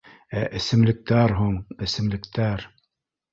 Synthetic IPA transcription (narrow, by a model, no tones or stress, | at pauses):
æʔɘ̆sɘ̆mlɘ̆k̚t̪æɾɦuɴɘ̆sɘ̆mlɘ̆kt̪æɾ